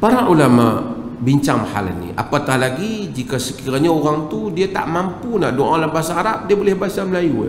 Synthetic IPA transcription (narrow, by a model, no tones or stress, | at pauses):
paɾaʔulama | biɲt͡ʃaŋha̰l̰nḭa̰pat̪ahlaɡid͡ʒikasəkiɾaɲaoɾaŋt̪udiat̪a̰ʔmampunaʔdoʔalabasaːɾap̚diabolɛhbaasaməlajua̰